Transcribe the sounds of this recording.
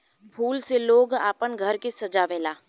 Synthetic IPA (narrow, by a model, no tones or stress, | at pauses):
pʰuːlseloːɡaːpənɡʱəɾkesɐd͡ʒaʋeːlaː